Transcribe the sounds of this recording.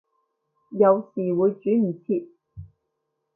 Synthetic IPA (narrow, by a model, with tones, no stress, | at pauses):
jɐ˨˧wsiː˨˩wuː˨˧jt͡ʃyː˨˥m̩˨˩t͡sʰi˧p̚